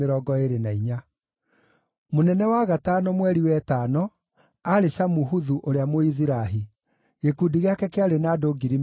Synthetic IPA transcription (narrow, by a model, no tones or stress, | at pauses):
eɾɔːɡɔeɾenaiɲa | monɛnɛwaɣataːnɔmwɛɾiwɛtanɔ | aɾeʃamuɦuðuʔoɾeamoiziɾaɦi | ɣekudiɣeakɛkeaɾenaːdoːɡiɾim